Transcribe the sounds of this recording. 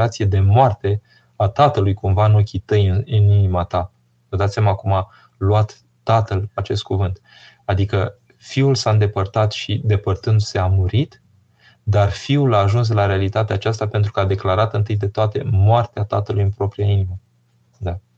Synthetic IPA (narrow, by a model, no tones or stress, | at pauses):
at̪sije̞d̪e̞moart̪e̞ | at̪at̪əlujkumvanokʲit̪əjɨninimat̪a | vəd̪at̪sʲjamakuma | luat̪ː | at̪əlat͡ʃe̞st̪̚kuvɨnt̪ | ad̪ikə | fiulsaɨnd̪e̞pərt̪at̪ʃid̪e̞pərt̪ɨnd̪se̞amuɾit̪ | d̪arfiulaːʒuns̬laɾealit̪at̪eat͡ʃast̪ape̞nt̪ɾukəad̪e̞klaɾat̪ɨnt̪ɨjd̪e̞t̪oat̪e̞moart̪eat̪a̰t̪əlujɨnpɾo̞pɾijainimə | d̪a